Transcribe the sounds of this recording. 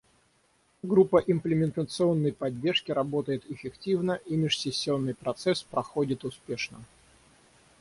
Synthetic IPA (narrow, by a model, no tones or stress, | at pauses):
ɡɾupːəʔɪmplʲɪmʲɪnt̪ət̪sɨo̞nːəjpɐdʲːe̞rʂkʲɪɾɐbo̞t̪əjɪt̪ɪfʲɪktʲivnəʔimʲɪʂsʲɪsʲːɪo̞nːɨjpɾɐt̪sɛspɾɐxodʲɪt̪ʊspʲe̞ʂnə̰